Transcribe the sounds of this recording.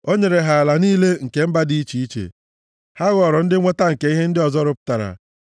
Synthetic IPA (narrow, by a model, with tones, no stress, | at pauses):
o˦ɲe˨ɾe˨ɦa˨la˨niː˦le˦ŋ̩˨ke˨m̩˦ba˦di˦i˦t͡ʃi˦i˦t͡ʃḛ˨ | ha˦ɣɔ˨ɾɔ˨n̩˦dɪ˦ŋʷe˦ta˦ŋ̩˨ke˨˦i˦ɦe˦n̩˦dɪ˦ɔ˨zɔ˦ɾʊ˨pʊ̥˦ta˨ɾa̰˨